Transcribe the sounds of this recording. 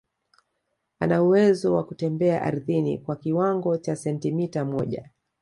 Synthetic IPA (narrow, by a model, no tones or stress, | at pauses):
anauwɛzɔwakutɛmbɛa̰ʔa̰ɾðinḭkwakiwaŋɡɔt͡ʃasɛntimitamɔʄa̰